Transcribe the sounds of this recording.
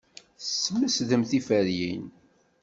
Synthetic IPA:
sːəmːəsðəmθifæɾjḭn

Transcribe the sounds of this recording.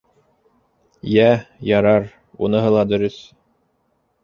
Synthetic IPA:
jæjɑɾɑɾ | unɤ̆ɦɤlˠɑd̪ɵ̆ɾɵθ

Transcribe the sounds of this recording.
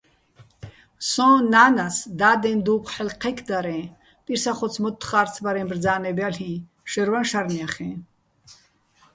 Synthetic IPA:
sɔ̃naːnasd̪aːd̪ɛ̃nd̪uːkʷʰħɛlqʰɛkʰd̪aɾɛ̃ː | tʼiɾsaχɔt͡sʰmɔt̪ʰːχaːɾt͡sʰbaɾɛ̃ːbrd͡zaːnɛbalhĩ | ʃɛɾvanʃaɾniaχɛ̃

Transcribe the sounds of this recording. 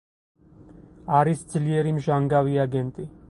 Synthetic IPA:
aɾisd͡zlieɾimʒaŋɡaʋiaɡent̪i

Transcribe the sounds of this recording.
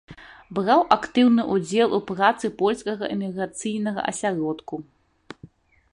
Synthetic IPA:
bɾawʔakt̪ɨwnɨʔud͡zʲɛlˠupɾat̪sɨpɔlʲskɐɣɐʔɛmʲiɣɾat̪sɨjn̪ɐɣɐ̰ʔɐ̰sʲaɾɔt̪ku

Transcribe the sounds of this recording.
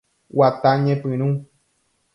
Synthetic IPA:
wat̪aɲẽpɨ̃ɾ̃ũ

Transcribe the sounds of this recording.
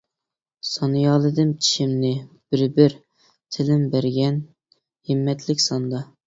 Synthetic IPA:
sɑnɨjɑːlˠɨd̪ɨmt͡ʃʰi̥ʃɪmnɪ | b̥ɪɾbɪɾ | t̪ʰɪlɪmbæɾɡʲɛn | hɪmːɛt̪lɪkʲsɑnd̪ɑ

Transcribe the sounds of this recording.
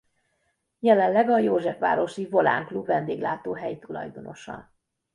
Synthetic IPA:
jɛlɛnlɛɡɒjoːʒɛfʋa̰ːɾoʃivo̞la̰ːŋklubvɛnd̪eːɡlaːt̪oːɦɛjt̪ulɒ̰jd̪o̞no̞ʃɒ̰n

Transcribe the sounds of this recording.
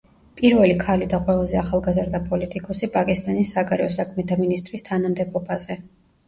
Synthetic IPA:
pʼiɾvɛlikʰalid̪aqʼwɛlˠazɛaχalˠɡazɾd̪apʼɔlit̪ʼikʼɔsipʼakʼist̪ʼanisːaɡaɾɛɔsakʰmɛt̪ʰaminist̪ʼɾist̪ʰanamd̪ɛbɔbazɛ

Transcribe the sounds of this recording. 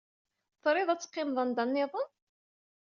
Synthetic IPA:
θɾˤɪðˤæt͡sːqːɪmðˤənd̪ɑnːɪðˤən

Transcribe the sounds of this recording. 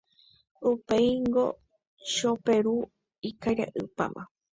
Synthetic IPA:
upejŋɡo̞̰ | ʃope̞ɾu | ikaɾa̰ʔɨpa̰mʔã̰

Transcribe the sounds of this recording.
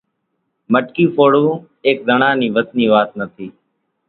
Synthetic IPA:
məʈkiːpoːɽũː | eːk̚d̪ʱəɳãːniːʋət̪niːʋaːt̪̚nət̪ʰiː

